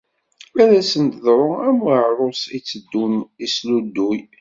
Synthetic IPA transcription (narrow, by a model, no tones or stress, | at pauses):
æɾæsənt̪ðɾˤʊæmʕɾˤosit͡sːəd̪ːunislud̪ːuj